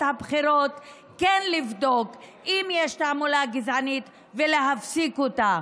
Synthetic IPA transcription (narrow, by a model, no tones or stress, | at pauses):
thabχiɾot | kenlivdo̞kʔimjeʃtamulaɡizanit̪ | veleɦafsikota